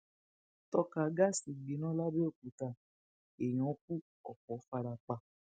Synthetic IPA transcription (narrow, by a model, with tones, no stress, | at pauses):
tɔ˦˧ka˨˧˦ɡa˦si˨ɡ͡bi˨˦nã˦la˦be˦o˦˨k͡pu˨˦ta˧˨ | e˨j̃ɔ̃˨˦k̚u˦ | ɔ˨kɔ˨˦fa˧ɾa˧k͡pa˧˨